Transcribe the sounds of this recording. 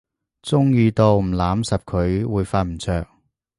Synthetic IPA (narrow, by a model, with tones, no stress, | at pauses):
t͡sʊ˥ŋjiː˧t̪o˨˧wm̩˨˩laː˨˥msɐ˨p̚kʰɵ˨˧ɥwuː˨˧jfaː˧t̚m̩˨˩t͡sʰœː˨˧k̚